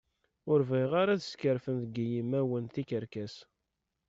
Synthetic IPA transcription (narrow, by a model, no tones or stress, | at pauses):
ʊɾveʁaɾaðskəɾfənθɡijimæwənθikəɾkæs